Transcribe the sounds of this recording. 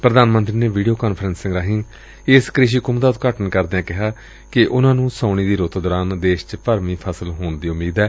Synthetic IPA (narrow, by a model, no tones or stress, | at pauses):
pɾəd̪aːnmə̃nt̪ɾiːneːʋiːɖioːkaːnpʰɾənsːɪ̃ŋɡɾaːɦɪŋ | ɪskɾɪʃ̬iːkʊmd̪aːʊt̪kaːʈənkəɾd̪ːãːkɪɦaː | kɪʔʊnãːnũːsãːɳ̃iːd̪iːɾot̪d̪ɔːɾaːnd̪eːʃt͡ʃpəɾmĩːpʰəsəlɦoːɳd̪iːʊmiːd̪ɛː